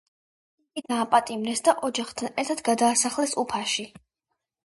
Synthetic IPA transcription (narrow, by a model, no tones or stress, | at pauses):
ikʼid̪aːpʼat̪ʼimɾɛsd̪aʔɔd͡ʒaχt̪ʰanɛɾt̪ʰat̪ɡad̪aːsaχlɛsupʰaʃi